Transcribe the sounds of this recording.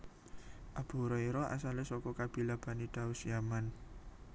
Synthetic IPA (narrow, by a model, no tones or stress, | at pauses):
ʔab̥ṳɾɔiɾɔʔa̰salesɔkɔkab̥i̤lab̥a̤niɖ̪̥a̤usijaman